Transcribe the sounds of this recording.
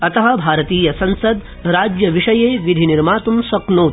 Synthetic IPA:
ɐt̪ɐɦɐ̆bʱaːɾɐt̪iːjɐsɐ̃nsɐd̪ | ɾaːd͡ʒjɐʋiʂɐjeːʋid̪ʱiniɾmaːt̪umsɐknoː

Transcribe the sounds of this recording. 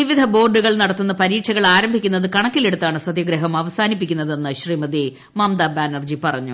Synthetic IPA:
ʋiʋid̪ʱɐbo̞ːrɖuɣɐɭnɐɽɐt̪ːunːɐpɐɾiːʈɕɐɣɐɭaːɾɐmbʱikʲːunːɐðɨkɐɳɐkːile̞ɽut̪ːaːɳɨsɐd̪jɐɡɾɐɦɐmɐʋɐsaːnipːikʲːunːɐðe̞nːɨɕriːmɐd̪i | maːmd̪ɐbaːnɐrd͡ʑipɐrɐɲːṵ

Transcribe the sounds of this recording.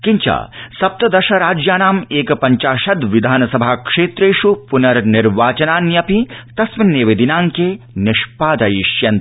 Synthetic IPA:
kɪɲt͡ʃa̰ːsɐp̚t̪ɐd̪ɐʃɐɾaːd͡ʒjaːnaːmeːkɐpɐɲt͡ʃaːʃɐd̪ʋɪd̪ʱaːnɐsɐbʱakʂeːt̪ɾeːʃupunɐɾnɪɾʋaːt͡ʃɐnaːnjɐpit̪ɐsmineːʋeːd̪inaːŋke | nɪʃpaːd̪ɐjiʃjɐn

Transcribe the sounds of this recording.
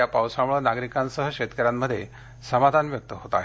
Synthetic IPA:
apawsamuɭənaɡɾikansəɦəket̪kəɾamːəd̪ʱːje | səmad̪ʱanʋjək̚t̪əɦot̪a̰ːɦe

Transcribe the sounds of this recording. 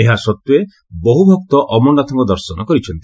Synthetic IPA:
eɦasɔt̪ːue | bɔɦubʱɔkt̪ɔʔɔmɔnat̪ʰɔmɔd̪ɔɾsɔnɔkɔɾit͡ʃʰɔnt̪i

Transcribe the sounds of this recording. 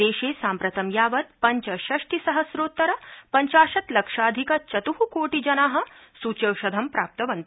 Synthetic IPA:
eːʃeːsaːmpɾɐt̪ɐmjaːʋɐt̪̚pɐɲt͡ʃɐʃɐʂʈisɐɦɐsɾoːt̪ːɐɾɐpɐɲt͡ʃaːʃɐt̪lɐkʂaːd̪ʱikɐt͡ʃɐt̪uɦukoːʈid͡ʒɐnaːɦɐ̆ | sut͡ʃɐwʃɐd̪ʱɐmpɾaːp̚t̪ɐʋɐnt̪

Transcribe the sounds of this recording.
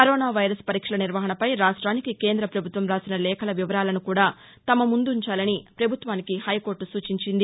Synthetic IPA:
kɐɾoːnaːʋɐjɾɐspɐɾiːkʂɐlɐniɾʋɐɦɐɳɐpɐjɾaːʂʈɾaːnikikeːnd̪ɾɐpɾɐbʱut̪ʋɐmɾaːsinɐlɛːkɐlɐʋiʋɐɾaːlɐnukuːɽaː | t̪ɐmɐmund̪uuɲt͡ʃaːlɐnipɾɐbʱut̪ʋaːnikihɐjko̞ːɾʈusuːt͡ʃiɲt͡ʃind̪i

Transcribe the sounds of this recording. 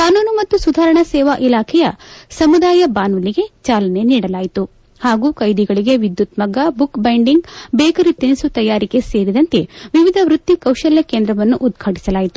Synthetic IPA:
kaːnuːnumɐt̪ːusud̪ʱaːɾɐɳɐsɛːʋaʔilaːkʰɛjɐsɐmud̪aːjɐbaːnʋɐliɡe̞t͡ʃaːlɐne̞niːɽɐlaːjit̪u | haːɡuːkɐjd̪iɡɐɭiɡe̞ʋid̪jut̪mɐɡɐbukbɐjɳɖiŋɡbɛːkɐɾit̪inisut̪ɐjaːɾike̞seːɾid̪ɐnt̪eʋiʋid̪ʱɐʋɾut̪ːikɐwʃɐljɐkeːnd̪ɾɐʋɐnːuʔud̪ɡʰʱaːʈi̥sɐlaːjit̪u̥

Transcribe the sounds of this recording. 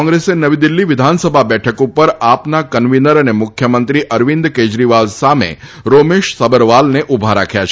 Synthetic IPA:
ɔ̃ŋɡɾesenəʋid̪ɪlːiʋɪd̪ʱansəbʱabɛʈʰəkupəɾapnakənʋinəɾənemʊkʰjəmənt̪ɾiʔəɾʋind̪ked͡ʒɾiʋalsamḛ | ɾomeʃsəbəɾʋalneʔubʱaɾa̰kʰjat͡ʃʰ

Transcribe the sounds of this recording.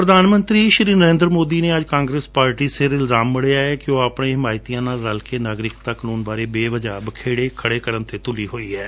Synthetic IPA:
pɾəd̪aːnmə̃nt̪ɾiːʃɾiːnəɾẽːnd̪ɾmoːd̪iːneːəd͡ʒkãːŋɡɾeːspaːɾʈiːsɪɾɪlzaːmːɪɽejaːɛːkɪjõːəpɳẽːɦɪmaːɪt̪ijãːnaːlɾəlkeːnaːɡɾɪkt̪aːkənuːnbaːɾeːbeːʋəd͡ʒaːbəkʰeːɽeːkʰəɽeːkəɾənt̪ʰeːt̪ʊliːɦoːiːɛː

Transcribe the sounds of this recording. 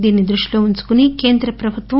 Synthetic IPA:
d̪iːnːid̪ɾuʂʈi̥loːuɲt͡ʃu̥kunike̞ːnd̪ɾɐpɾɐbʱut̪ʋɐ

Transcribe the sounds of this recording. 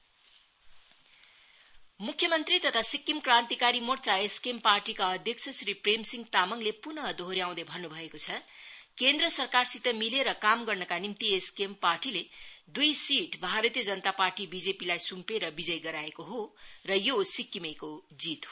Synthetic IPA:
mukʰjʌmʌnt̪rit̪ʌt̪ʰasikːimkrant̪ikaɾimort͡saeskemparʈikaʌd̪ʱjʌksʰʌsripremsiŋɡt̪amʌŋlepunʌd̪ʱoɾjaw̃d̪ʌbʱʌnːubʱʌekot͡sʰʌkend̪rʌsʌrkarsit̪ʌmileɾʌkamɡʌrnʌkanimt̪ieskemparʈiled̪ujsiʈbʱaɾʌt̪ijʌd͡zʌnət̪aparʈibid͡zepilajsumpeɾʌbid͡zʌjɡʌɾaekoɦorʌjosikːimekod͡zit̪ɦo

